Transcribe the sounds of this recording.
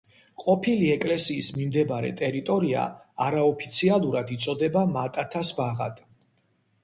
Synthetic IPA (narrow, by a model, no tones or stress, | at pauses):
qʼɔpʰiliɛkʼlɛsiːsmimd̪ɛbaɾɛ̰t̪ʼɛɾit̪ʼɔɾia̰ː | ɾaɔpʰi̥t̪sʰialˠuɾad̪it̪sʼɔd̪ɛbamat̪ʼat̪ʰasbaʁa̰d̪̥